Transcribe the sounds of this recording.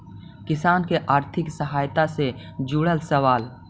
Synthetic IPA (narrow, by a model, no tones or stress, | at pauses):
kɪsaːnkeʔaːɾt̪ʰɪksəɦaːjt̪ased͡ʒuːɽəlsəʋaːl